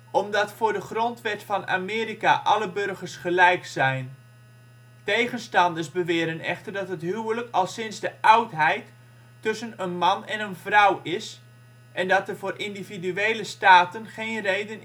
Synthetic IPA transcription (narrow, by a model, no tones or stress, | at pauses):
ɔmdɑtfʊːɹdəχrɔntʋɛtfɑna̰ːmɪːɾika̰ʔɑləbørɣərsχəlɛjksɛjn | tejɣənstɑndəsbəʋɪːɾənɛ̰χtərdɑtɦətɦywələkʰɑlˠsɪnzdəʔʌwtɦɛjtː | ɵsənənmɑnɛnənvrʌwɪs | ʔɛndɑtərvʊːrʔɪndividyejləstaːtənχejnrejdən